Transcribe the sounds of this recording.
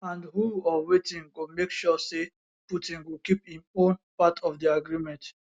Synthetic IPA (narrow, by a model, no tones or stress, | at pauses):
ãndɦuɔwetĩŋɡomekʃɔse | putĩnɡokiphĩmõnpatʰɔfdiaɡɹimɛ̃nt